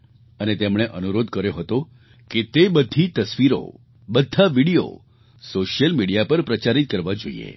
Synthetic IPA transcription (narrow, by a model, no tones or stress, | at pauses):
ənet̪emɽ̃eʔənuɾod̪kəɾjoɦət̪o | ket̪ebəd̪ʱit̪əsʋiɾo̰ | bəd̪ʱːaʋiɽijo̰ | soʃjəlmiɽijapəɾpɾət͡ʃaɾit̪̚kəɾʋad͡ʒoḭḛ